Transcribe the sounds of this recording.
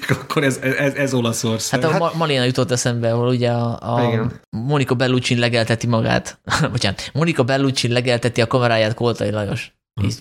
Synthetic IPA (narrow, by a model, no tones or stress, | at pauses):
kkːoɾɛzɛɛzɛzolɒsorshaɒmɒliːnɒjut̪o̞t̪ːɛsɛmbɛɒɦoluɟɛɒɒiɡɛn | mo̞nikobɛlːut͡ʃinlɛɡɛlt̪ɛt̪imɒɡa̰ːt̪ocaːnmo̞nikɒbɛlːut͡ʃinlɛɡɛlt̪ɛt̪iɒkɒmɛɾaːjaːt̪kolt̪ɒilɒjo̞̰ʃ | ḭ